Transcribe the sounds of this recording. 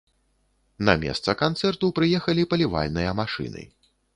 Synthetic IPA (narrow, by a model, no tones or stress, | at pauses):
nɐ̰mʲɛ̰st̪sɐkant̪sɛrt̪upɾɨjɛxɐlʲipɐlʲiva̰lʲnɨjɐmaʂɨ̰nɨ̰